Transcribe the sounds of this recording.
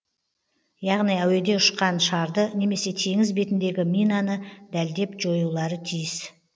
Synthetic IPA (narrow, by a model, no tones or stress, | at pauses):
jɑʁnijæwe̞d̪e̞ʊʃqɑnʃɑɾd̪əne̞me̞se̞t̪ʰe̞ŋɪzbe̞t̪ɪnd̪e̞ɡʲɪmʲijnanəd̪æld̪e̞pʒo̞julˠɑɾət̪ʰijɪs